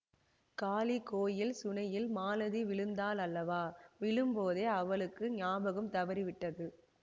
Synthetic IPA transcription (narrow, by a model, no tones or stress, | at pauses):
kaːlikːoːjɪlsʊnɐjɪlmaːlɐðiʋɪɭɯnd̪aːlɐlːɐʋaːʋɪɭɯmpoːðeːɐʋɐɭɯkːɯɲaːbɐɣɯmt̪ɐʋɐɾiʋɪʈːɐðɯ